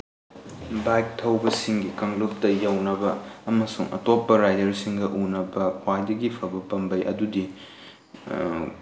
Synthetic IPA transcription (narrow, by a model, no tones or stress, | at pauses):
bajk̚tʰɐwbɐsiŋɡikɐŋluk̚tɐjɐwnɐbɐːmɐsuŋɐ̰topːɐɾajdɐɾsiŋɡɐʔunɐbɐpʰwajdɐɡipʰɐbɐpɐmbɐjʔɐ̰dudi